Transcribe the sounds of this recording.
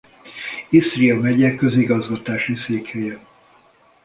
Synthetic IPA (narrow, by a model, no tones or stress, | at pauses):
ist̪riɒmɛɟɛkːøziɡɒzɡɒt̪aːʃiseːkhøːjɛ